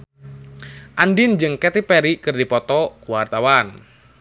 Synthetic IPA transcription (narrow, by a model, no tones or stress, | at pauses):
ʔandind͡ʒɨŋkɛt̪ipɛɾikɨrdipɔt̪ɔkuwart̪awan